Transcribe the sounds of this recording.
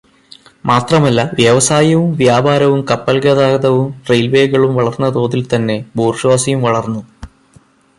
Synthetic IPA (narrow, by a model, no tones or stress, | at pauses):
maːt̪rɐmɐlːɐʋjɐʋɐsaːjɐʋumʋjaːbʱaːɾɐʋumkɐpːɐlɡɐðaːɡɐðɐʋumrejlʋeːɡɐɭumʋɐɭɐrnːɐt̪o̞ːðilt̪ɐnːe̞boːrʂʋaːsɐjumʋɐɭɐrnːu